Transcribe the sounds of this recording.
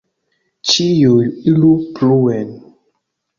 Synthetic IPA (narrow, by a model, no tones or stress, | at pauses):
t͡ʃijoilupluwɛn